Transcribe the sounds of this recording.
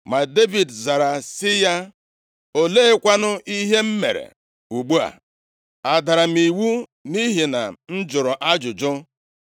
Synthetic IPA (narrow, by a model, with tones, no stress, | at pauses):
ma˨de˦vi˨dza˨ɾa˨sɪ˦ja˦ | o˦le˦e˦kʷa˦nʊ˦ʔi˦ɦe˦m̩˦mḛ˨ɾḛ˨ | u˨ɡ͡bu˦a̰˨ | a˨da˨ɾa˨m̩i˨wu˦ni˦ɦi˨na̰˨n̩˦d͡ʒʊ˨ɾɔ˨ʔa˦d͡ʒʊ˨d͡ʒʊ˦